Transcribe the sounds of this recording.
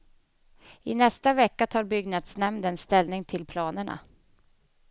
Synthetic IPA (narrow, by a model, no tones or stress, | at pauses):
ɪnɛst̪avɛkːat̪ʰɑːɾbʏɡnad̪snɛmd̪ɛnst̪ɛlnɪŋt̪ʰɪlpʰlɑːnəɳa̰